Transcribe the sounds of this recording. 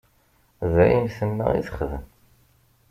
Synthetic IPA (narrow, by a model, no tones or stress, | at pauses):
ðæjinθənːa̰ḭθə̥χðən